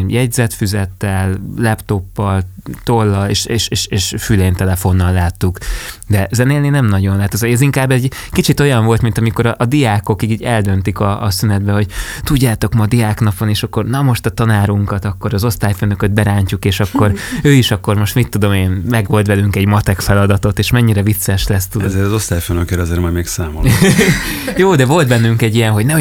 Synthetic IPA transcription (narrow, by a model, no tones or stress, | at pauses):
jɛɟzɛt̪fyzɛt̪ːɛlːɛpt̪o̞pːɒlt̪olːɒeːʃeːʃeːʃeːʃfyleːnt̪ɛlɛfo̞nːɒlːaːt̪ːukd̪ɛzɛneːlninɛmnɒɟo̞nlaːt̪ozɛziŋkaːbːɛɟ | kit͡ʃit̪o̞jɒɱvo̞lt̪mint̪ɒmiko̞ɾɒʔːd̪ijaːkokikiːɟɛld̪ø̞nt̪ikɒ̰synɛd̪bɛho̞ɟt̪uɟːaːt̪o̞kmɒd̪ijaːknɒpo̞neːʃɒkːo̞rnɒmo̞ʃt̪ɒt̪ɒnaːɾuŋkɒt̪ɒkːo̞ɾɒzo̞st̪aːjføːnøkød̪̚bɛɾaːɲcukeːʃɒkːo̞ɾøːiʃɒkːo̞rmo̞ʃt̪mit̪ːud̪o̞meːnmɛɡʋo̞lt̪bɛlyŋkɛɟmɒt̪ɛkfɛlɒd̪ɒt̪o̞t̪eːʃmɛɲːiɾɛvit̪sɛʃlɛst̪ud̪oɛzeːɾɒzo̞st̪aːjføːnøkeɾɛzeːɾmɒjmeːksaːmo̰ | joːd̪ɛvo̞lt̪̚bɛnːyŋkɛɟːijɛnɦo̞ɟnɛ